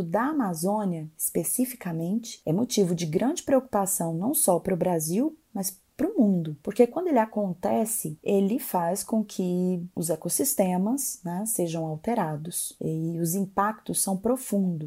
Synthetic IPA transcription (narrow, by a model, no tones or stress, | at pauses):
ʊd̪ɐamazõniɐispesifi̥kɐmẽnt͡ʃɪ̥ɛmot͡ʃivʊd͡ʒɪɡɾɐ̃nd͡ʒɪpɾeoku̥pasɐ̃w̃nɐ̃w̃sɔpɾʊbɾaziwmɐs | pɾʊmũnd̪ʊpoɾkekwɐ̃nd̪ʊelɪakõnt̪ɛsɪelɪfaskõkʰɪʊzɛkosist̪ẽmɐsnɛseʒɐ̃w̃awt̪eɾad̪ʊsɪʊzĩpak̚t̪ʊsːɐ̃w̃pɾofũd̪ʊ